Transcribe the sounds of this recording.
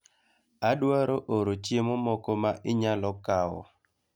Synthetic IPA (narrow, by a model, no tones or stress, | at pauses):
aɗwaɾoʔoɾot͡ʃjemɔmɔkomaʔɪɲalɔkawɔ̰